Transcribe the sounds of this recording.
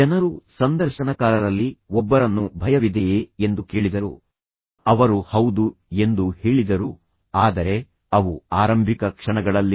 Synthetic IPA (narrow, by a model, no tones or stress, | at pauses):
d͡ʒɛnɐɾusɐnd̪ɐɾʃɐnɐkaːlɐɾɐlːiɔbːɐɾɐnːubʱɐjɐʋid̪ejeend̪uke̞ːɭid̪ɐɾṵ | ɐʋɐɾuhɐwd̪ue̞nd̪uheːɭid̪ɐɾu | aːd̪ɐɾe̞ | ɐʋuaːɾɐmbʱikɐkʂɐɳɐɡɐɭɐlːi